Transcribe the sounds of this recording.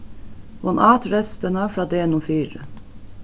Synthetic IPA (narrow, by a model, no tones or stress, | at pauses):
hʊnʔɑːt̪ɾɛst̪ənɑːfɾɑːd̪eːɛnɔːfyːɾə